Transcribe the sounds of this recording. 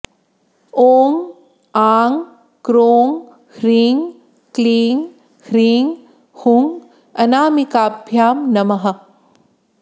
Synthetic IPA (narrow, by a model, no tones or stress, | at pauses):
oːŋ | aːŋ | kɾoːŋ | hɾiːŋ | kliːŋ | hɾiːŋ | huŋ | ɐnaːmikaːbʱjaːmnɐmɐɦɐ